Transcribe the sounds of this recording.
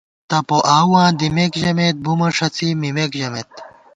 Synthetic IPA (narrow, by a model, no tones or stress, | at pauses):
t̪ɐpoʔaːwãːd̪imekʑɐmet̪̚bumɐʂɐt͡sʰimimekʑɐmet̪